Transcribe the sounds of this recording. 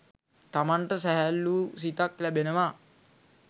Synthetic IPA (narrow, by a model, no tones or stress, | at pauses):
t̪amaɳʈəsæɦælːuːsit̪aklæbenəʋa